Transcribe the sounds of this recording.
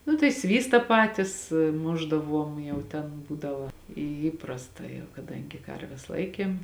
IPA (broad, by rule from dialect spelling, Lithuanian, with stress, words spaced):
ˈnʊ tɐɪ ˈsʲʋʲiːstɐ ˈpɑːtʲɪs ˈmʊʒdɐˌʋuɔm ˈjɛʊ tʲɛn ˈbuːdɐʋɐ iː ˈiːprɐstɐ jɛʊ kɐˈdɐŋʲɡʲɪ ˈkɐrʲʋʲɛs ˈlˠɐɪkʲeːm